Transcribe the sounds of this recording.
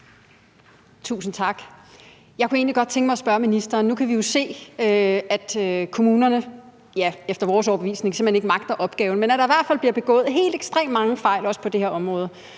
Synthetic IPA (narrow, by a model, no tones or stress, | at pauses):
t͡sʰṵːsn̩t͡sʰɑ̈ɡ̥ | jɑ̈ɪkʰue̝ːnliɡ̥ɒ̽d̥̚t͡sʰeŋɡ̥mɑ̈ɪɒsb̥ɶɐminisd̥ɐːnːukʰæʋijo̝se̝̰ːøæd̥kʰo̝muːnɐnə | jæefd̥ɐʋɒːsɒʊɐb̥e̝ʋḭːsne̝ŋse̝m̩hene̝ɡ̥əmɑ̈ɡ̥̚d̥ɐʔɒ̽b̥ɡ̥ɛːʊn̩menæɾ̥ɑiʋæɐd̥fæl̰b̥liɐb̥e̝ɡ̥ɔ̰ːð̞̩ˠɦe̝̰ːld̥eɡ̥sd̥ʁḛːmmɑ̈ŋəfɑ̈ɪ̰lɒ̽spʰɒ̽d̥e̝heɐɒ̽mʁɔ̽ːð̞̩ˠə